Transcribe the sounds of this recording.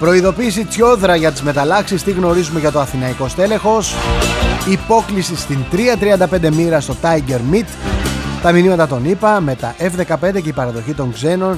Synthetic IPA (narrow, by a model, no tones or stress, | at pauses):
pɾo̞iðo̞piːsit͡sço̞ðɾɐʝɐt̪izme̞t̪ɐlɐksist̪iɣno̞ɾizume̞ʝɐt̪o̞ɐθinɐiko̞st̪e̞le̞xo̞s | ipo̞klisist̪int̪ɾiɐt̪ɾiɐnd̪ɐpe̞nd̪e̞miɾɐst̪o̞t̪ɐiɟe̞ɾmit̪t̪ɐminimɐt̪ɐt̪o̞nipɐme̞t̪ɐʔefðe̞kɐp̞nd̪e̞ce̞ipɐɾɐðo̞çit̪o̞ŋɡze̞no̞n